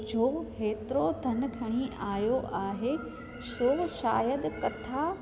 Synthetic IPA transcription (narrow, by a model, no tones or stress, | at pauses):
d͡ʑoːheːt̪ɪɾod̪ʱɐnkʰɐɽ̃iʔaːjoʔaːɦe | soːɦʃa̰ːjəd̪kɐt̪ʰaː